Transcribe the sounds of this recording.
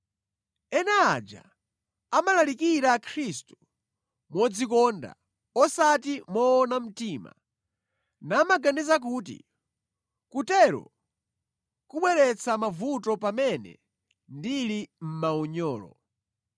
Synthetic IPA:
ɛnɛad͡ʒa̰ | amalalikiɾakʰɾistu̥ | mɔd͡zik̬ɔnda̰ | ɔsatimɔːnam̩tiːma̰ | naːmaɡanizak̬uːt̬ḭ | kutɛɾɔ̰ | kuɓwɛɾɛt͡sʰamavutɔpamɛnɛ̰ | ndilim̩maɔɲɔːlɔ̰

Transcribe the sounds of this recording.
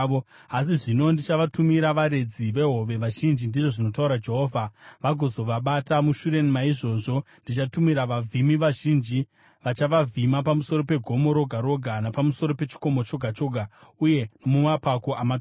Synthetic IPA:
o | as̬iʐino̞ndit͡ʃaʋatumiɾaʋaɾe̞d͡ziʋe̞ɦo̞ʋe̞ʋaʒind͡ʒindiʐo̞ʐino̞tauɾad͡ʒe̞ɦo̞ːvʱaʋaɡʱo̞zo̞ʋaɓatamuʃuɾe̞nimaiʐo̞ːʐo̞ndit͡ʃatumiɾaʋavʱimiʋaʒiːnd͡ʒi | ʋat͡ʃaʋavʱimapamuso̞ɾo̞pe̞ɡʱo̞mo̞ɾo̞ɡʱaɾo̞ɡʱanapamuso̞ɾo̞pe̞t͡ʃi̥ko̞mo̞t͡ʃo̞ɡʱat͡ʃo̞ɡʱauje̞nomumapako̞ʔamat

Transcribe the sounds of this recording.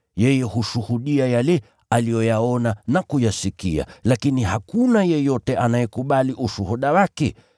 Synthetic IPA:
jɛjɛhuʃuhuɗiajalɛ | alijɔjaɔnanakujasikḭa̰lakinihakunajɛjɔtɛʔanajɛkuɓaliʔuʃuhuɗawakɛ

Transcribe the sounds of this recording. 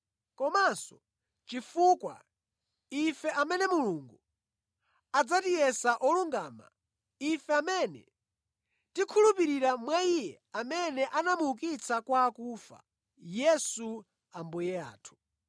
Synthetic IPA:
kɔmasɔ | t͡ʃifukwa̰ | ifɛʔamɛnɛmuluŋɡu | ad͡zatijɛsaʔɔluŋɡaːma̰ | ifɛamɛnɛ̰ | tikʰulupiɾiɾamwaijɛ | amɛnɛʔanamuk̬it͡sʰakwaːkufa̰ | jɛsu | ambujɛa̰ːtʰu̥

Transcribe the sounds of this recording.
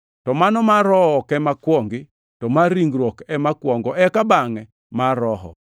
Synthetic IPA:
tɔmanɔmaɾɔɔkɛmakwɔŋɡɪ | tɔmaɾiŋɡɾwɔkɛmakwɔŋɡɔɛkabaŋɛ | maɾɔɦɔ̰

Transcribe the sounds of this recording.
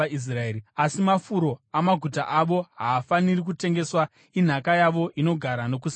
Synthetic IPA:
is̬raeɾiasimafuɾo̞amaɡʱuta̰ʔaʋo̞ɦaːfanirik̬ute̞ŋɡe̞swa | in̤akajaʋo̞ʔino̞ɡʱaɾano̞k̬us

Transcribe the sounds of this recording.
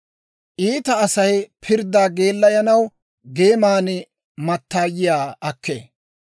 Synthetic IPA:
ʔiːt̪ɐːsɐjpʰɪɾd̪aːɡe̞ːlːɐjɐnɐw | ɡeːmaːnɪ | mɐt̪ːaːjɪjaːʔɐkːḛː

